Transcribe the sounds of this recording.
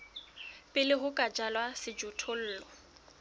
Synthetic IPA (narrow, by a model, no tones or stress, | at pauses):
pʼɪlɪɦʊkʼad͡ʒalwasɪd͡ʒʊtʰol̩ːlɔ